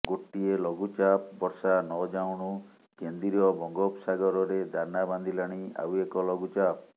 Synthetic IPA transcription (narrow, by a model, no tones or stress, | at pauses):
ɡoʈːielɔɡut͡ʃap̚bɔɾsanɔd͡ʒawɽ̃u | kend̪iɾiɔbɔŋɡɔpsaɡɔɾɔɾed̪ʱanaband̪ʱilaɽ̃ia̰wekɔlɔɡut͡ʃap̚